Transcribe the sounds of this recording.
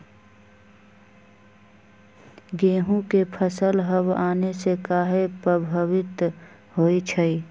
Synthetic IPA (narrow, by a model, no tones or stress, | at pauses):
ɡeːɦũkepʰəsəlɦəbaːnesekaːɦepɾəbʱəwɪt̪ | ɦoːit͡ʃʰəi